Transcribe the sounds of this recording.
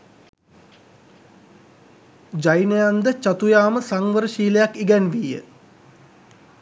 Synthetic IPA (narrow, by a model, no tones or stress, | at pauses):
d͡ʒajnəjand̪ət͡ʃat̪ujaːməsaŋʋəɾəʃiːləjakːiɡɛnʋijə̰